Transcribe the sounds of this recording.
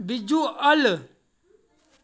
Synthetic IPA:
bid͡ʒualə

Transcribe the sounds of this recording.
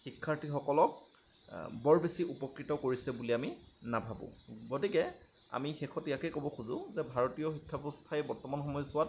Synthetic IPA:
xikʰːaɹtixɔkɔlɔk̚ | bɔɹbesiupɔkɹitɔkoɹisɛbuliaminabʱabʊ̰̃ɡotikɛ | a̰mixɛxʰɔtijakɛkobɔxʰuzʊzɛbʱaɹɔtijɔxikʰːabeɔstʰaɛbɔɹtɔmanxɔmɔjsʊat̚

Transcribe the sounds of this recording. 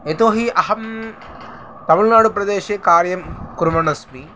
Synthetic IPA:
et̪oːɦiʔɐɦɐm | t̪ɐmulnaːɽupɾɐd̪eːʃeːkaːɾjɐmkuɾumɐnɐsmi

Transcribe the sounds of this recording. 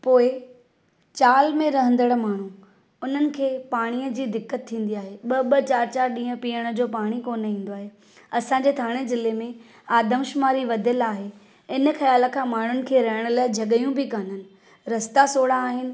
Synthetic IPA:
poːɪ | t͡ɕaːlmẽɾɐɦə̃nd̪əɽmaːɳ̤ũ | ʊn̤ənɪ̆kʰeːpaːɽ̃ijəd͡ʑiːd̪ɪkːət̪ʰːĩːn̆d̪iaːɦeɓɐɓɐt͡ɕaːɾt͡ɕaːɾɗĩːɦə̃piːəɽ̃ə̆d͡ʑoːpaːɽ̃ikoːnĩːn̆d̪oaːɦe | ɐsãɲ̆d͡ʑeːt̪ʰaːɽ̃ezɪlemẽ | aːd̪ʱəmʃʊmaːɾiʋɐd̪ʱəlaːɦe | ɪnə̆xɐjaːlə̆kʰãːmaːɳ̤ʊnɪ̆kʰeːɾɐɦɪɽ̃əlaːɪd͡ʑʱɐɠəjũbɪkan̤ənɪ̆ | ɾɐst̪asoːɽaːɦɪnɪ̆

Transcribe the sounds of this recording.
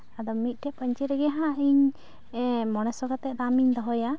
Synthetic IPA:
ad̪ɔmit̪̚ˀʈɛʔpəɲt͡ʃɛɾɛɡɛɦãiɲ | mɔɽ̃ɛsɔɡat̪ɛʔd̪amiɲd̪ɔɦɔja

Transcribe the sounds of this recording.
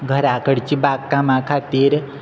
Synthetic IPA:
ɡʱəɾaːkəɽt͡ʃibaːɡkamãkʰaːt̪iɾ

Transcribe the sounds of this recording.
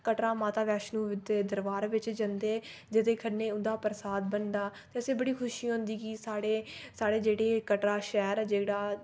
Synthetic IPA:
kəʈɾaːmaːt̪aːʋɛːʃnũːʋɪd̪eːd̪əɾʋaːɾʋɪt͡ʃd͡ʒənd̪eːd͡ʒɪt̪eːkʰənːeːʊnd̪aːpɾsaːd̪̚bənd̪aːt̪eːəsẽːbəɽiːkʰʊʃiːɦõːnd̪iːɡiːsaːɽeːsaːɽeːd͡ʒeːɽeːkəʈɾaːʃɛːɾd͡ʒeːɽaː

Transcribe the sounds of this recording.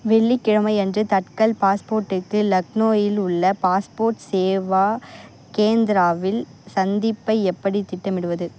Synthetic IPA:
ʋɛɭːikːɪɻɐmɐɪɛndrɯt̪ɐʈkɐlpaːspoːɾʈːɯkːɯlɐknoːjɪlʊɭːɐpaːspoːɾʈseːʋaː | keːnd̪ɪɾaːʋɪlsɐnd̪ɪpːɐɪɛpːɐɽit̪ɪʈːɐmɪɽɯʋɐðɯ

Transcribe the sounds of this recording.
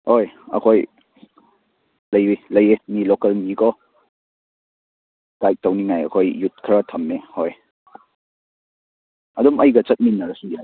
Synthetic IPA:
hojɐ̰kʰoj | lɐjwilɐjemilokɐlmikɔ | ɡ̥ajk̚tɐwniŋajɐ̰kʰojːut̚kʰɾatʰɐmːehoj | ɐdumɐjɡɐt͡ʃɐt̚minːɐɾɐsuɡia

